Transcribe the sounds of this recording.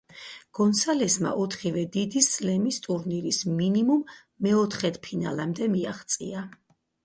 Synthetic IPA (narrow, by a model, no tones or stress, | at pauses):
ɡ̥ɔnsalɛsma̰ʔɔt̪ʰχivɛd̪id̪islɛmist̪ʼuɾniɾisminimumː | ɛɔt̪ʰχɛt̪ʰpʰina̰lamd̪ɛmiaχt̪sʼḭa